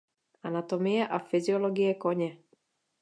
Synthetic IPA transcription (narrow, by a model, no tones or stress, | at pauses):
ʔanat̪omɪjɛʔafɪzɪoloɡɪjɛkoɲɛ